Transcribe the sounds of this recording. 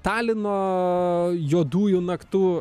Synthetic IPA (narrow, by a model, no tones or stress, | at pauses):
t̪ɑːlʲɪnoː | joːd̪uːjunɐkt̪uː